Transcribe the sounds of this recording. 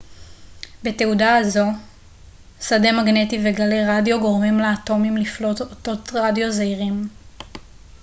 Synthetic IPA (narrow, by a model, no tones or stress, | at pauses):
be̞teudaːzo̞ | sade̞maɡne̞tiveɡaleʁadjo̞ɡo̞ʁmimleato̞mimliflo̞toto̞tʁadjo̞zaiʁim